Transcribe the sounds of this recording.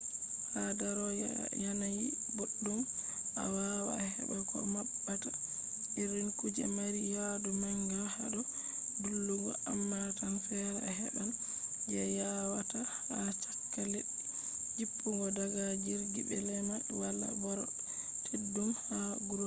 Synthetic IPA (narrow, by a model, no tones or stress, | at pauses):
hadaɾɔjanaji | boɗːum | ʔa̰wawa̰hɛ̰bɛkʰɔ̰maɓːata | ʔiɾinkud͡ʒɛ̰maɾijadumaŋɡahaɗɔ | dulːuɡɔ̰ʔamːatanfɛɾɛ̰hɛ̰ɗan | d͡ʒɛjawata | hat͡ʃakːalɛ | d͡ʒipːuŋɡɔdaɡad͡ʒiɾɡibɛlɛma | wala̰bɔɾɔ̰ | tʰedːumhaɡuɾ